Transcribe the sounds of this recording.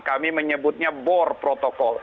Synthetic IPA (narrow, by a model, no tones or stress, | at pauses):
kamiməɲəbʊt̪̚ɲabɔrpɾot̪ɔkɔl